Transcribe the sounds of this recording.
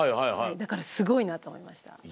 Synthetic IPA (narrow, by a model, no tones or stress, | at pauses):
ajhajhaid̪akaɾasɨɡo̞inat̪oːmo̞̰imaɕi̥t̪a̰